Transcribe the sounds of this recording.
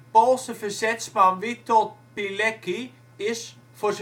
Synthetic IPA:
polˠsəfərsɛtspanʋitʰɔt̚pilɛki | ɪs | fos

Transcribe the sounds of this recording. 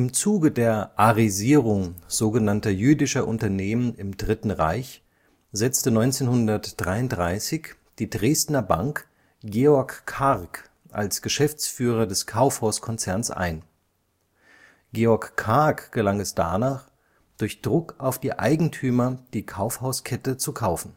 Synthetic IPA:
ʔɪmt͡suːɡədeːɐʔaʁiziːʁ̞ʊŋz̥oːɡənantɐjyːdɪʃɐʔʊ̰ntɐneːmənɪmdʁɪtn̩ʁa̰ɪç | z̥ɛt͡stənɔʏnt͡seːnhʊndɐtd̥ʁaɪʊnt̚dʁaɪsɪç | d̥iːdʁeːstnɐba̰ŋk | ɡ̥eːɔɐkʰːaʁk | ʔa̰lsɡ̥əʃɛft͡sfyːʁ̞ɐdɛskʰaʊfhaʊskʰɔnt͡sɛɐnsʔa̰ɪn | ɡ̥eːɔɐkʰːaɐkɡ̥əlaŋɛsd̥a̰ːnaːχ | d̥ʊɐçd̥ʁʊkaʊfd̥iːʔaɪɡŋ̩tʰyːmɐd̥iːkʰaʊfhaʊskʰɛtət͡sukʰaʊfn̩

